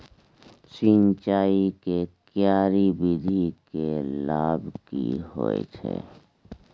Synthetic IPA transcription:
siːnt͡ʃaːikekjaːɾibid̪ʱikelaːbkḭho̰ːḛt͡ʃʰḛ

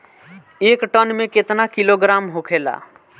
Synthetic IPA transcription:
eːkʈənmẽket̪nakiloɡɾamɦokʰela̰

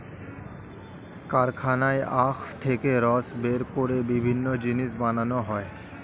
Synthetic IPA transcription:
kaɾkʰanaeaxʈ̪ʰekeɾɔsbeɾkoɾebibʱinːod͡ʑiniʃbananoɦɔe

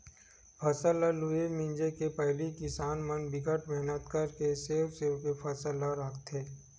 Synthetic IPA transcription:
pʰɐsəlːaluemɪ̃nd͡ʒekepəɦlikɪsaːnmənbɪkəʈmɛɦnət̪kəɾkeseːwseːwkepʰəsəlːaɾakʰt̪eː

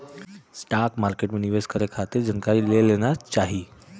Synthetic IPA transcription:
sʈakmaɾkeʈmeniʋeskəɾekʰat̪iɾd͡ʑənkaɾiːlelenat͡ʃaɦi

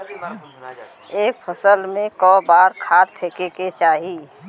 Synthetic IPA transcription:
eːkpʰəsəlmẽkɔːbaːɾkʰaːt̪̚pʰeːkeket͡ʃaːɦiː

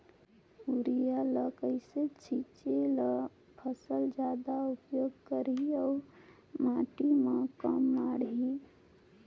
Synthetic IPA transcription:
uɾijaləkəɪset͡ʃʰit͡ʃel | pʰəsəld͡ʒad̪aupjoɡkəɾiɔʊ | maʈimekə̰mːaɽɦi

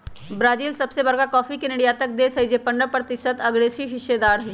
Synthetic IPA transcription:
bɾaːd͡ʒiːlsɐbsebɐɾɡakɔːfikenɪɖjaːt̪ək̚d̪eːsɐid͡ʒepəɳɖəpɾət̪ɪʃət̪ɐɡɽeːsiɦɪʃed̪aːɾɦi

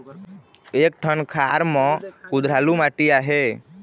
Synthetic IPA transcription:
ek̚ʈʰənkʰaɾmɔkud̪ɾ̤alumaʈijaɦe

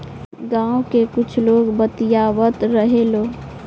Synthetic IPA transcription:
ɡãːõkekʊt͡ʃʰloːɡbət̪ijaːʋət̪ɾəɦeloː

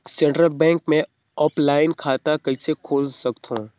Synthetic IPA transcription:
sẽɳʈɾəlbɛ̃ːŋkmẽ | ɔːplaːɪnkʰaːt̪akɐɪsekʰoːlsɐkt̪ɦṵ̃ː

